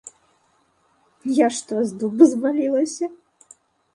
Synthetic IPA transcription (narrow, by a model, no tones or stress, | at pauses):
jaʂt̪ɔzd̪ubɨzmalʲilˠɐsʲɐ